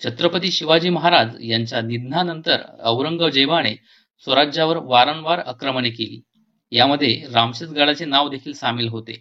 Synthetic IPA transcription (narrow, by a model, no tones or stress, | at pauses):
t͡ɕʰət̪ɾəpət̪iːɕiʋad͡ʑiːməɦaɾad͡zjaɲt͡ɕjanid̪nanənt̪ə̰ɾə̰ʋɾəŋɡəʋd͡ʑəjʋaɽ̃e | sʋəɾad͡ʑaʋəɾʋaɾənʋaɾəkɾəmənekelḭː | jaməd̪ʱːjeɾamɕət͡s̪ɡaɽat͡senaʋd̪ekʰiːlsamiːlɦot̪e